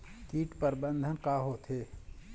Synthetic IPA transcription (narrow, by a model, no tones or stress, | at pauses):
kiːʈpəɾbənd̪ʱənkaːɦoːt̪ʰɦeː